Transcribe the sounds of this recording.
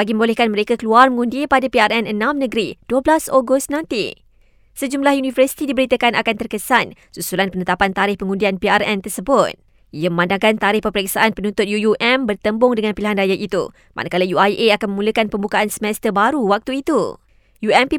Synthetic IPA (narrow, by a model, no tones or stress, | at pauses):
aɡimə̃molɛhkanməɾekakəluarməŋundipadapiarʔɛnənãmnəɡəɾid̥uəblasoɡʊst̪̚nãnt̪ḭ | səd͡ʒumlahjunĩvərsi̥t̪idibəɾit̪əkanakant̪ərkəsan | susulanpənət̪apant̪aɾɪhpəŋundianpiarɛnt̪ərsəbʊt̪̚ | ʔijaməmãndaŋkant̪aɾɪhpəmpəɾɛksaʔanpənũnt̪ʊt̪̚jujuʔɛmbərt̪əmbʊŋdəŋãnpiliɦanrajaʔit̪ṵ | mʔa̰nʔakalajuajʔeakanməmuləkanpəmbukaʔansəmɛst̪əbaɾuwak̚t̪uit̪u | juɛmpi